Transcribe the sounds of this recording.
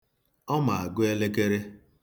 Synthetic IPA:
ɔ˦ma˨a˨ɡʊ˦e˦le˦k̬e˦ɾe˦

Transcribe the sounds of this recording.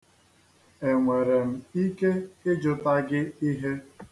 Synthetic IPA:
e˨ŋʷe˨ɾe˨m̩˨i˦ke˦ɪ˦d͡ʒʊ˨ta˦ɡɪ˦i˦ɦe˦

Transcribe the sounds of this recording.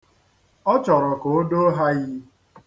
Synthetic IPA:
ɔ˦t͡ʃɔ˨ɾɔ˨ko˨o˦do˦ɦa˦ɣɪ˦

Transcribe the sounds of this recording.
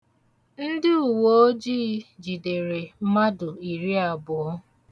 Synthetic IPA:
n̩˦dɪ˦u˨wo˨o˦d͡ʒiː˦d͡ʒi˨de˨ɾe˨˦ma˦dʊ˨i˨ɾi˦a˨bʊ˨˦

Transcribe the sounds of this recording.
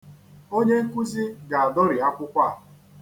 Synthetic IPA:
o˦ɲe˦ŋ̩˦ku˦zi˦ɡa˨a˨dɔ˦ɾɪ˨a˦kʷʊ˦kʷa˦˨

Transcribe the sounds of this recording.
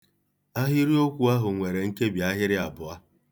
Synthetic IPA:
a˦ɦɪ˦ɾi˦o˦kʷu˨a˦ɦʊ˨ŋʷe˨ɾe˨ŋ̩˦ke˦bja˦ɦɪ˦ɾɪ˦a˨bʊ˨a˦

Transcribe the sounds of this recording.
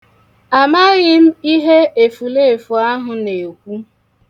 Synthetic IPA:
a˨ma˦ɣɪ˦m̩˦i˦ɦe˦e˨fu˨le˦e˨fu˨a˦ɦʊ˨ne˨kʷu˦

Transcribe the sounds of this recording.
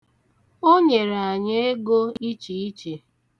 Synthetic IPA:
o˦ɲe˨ɾa˨a˨ɲe˦e˦ɡo˦i˦t͡ʃi˨i˦t͡ʃe˨

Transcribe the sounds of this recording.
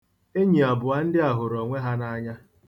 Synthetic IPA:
e˦ɲi˨a˨bʊ˨a˦n̩˦dɪ˦a˨ɦʊ˨ɾɔ˨ŋʷe˦ɦa˦na˦ɲa˦

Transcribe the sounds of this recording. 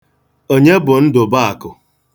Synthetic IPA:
o˦ɲe˦bʊ˨n̩˦dʊ˨ba˦a˨kʊ˨

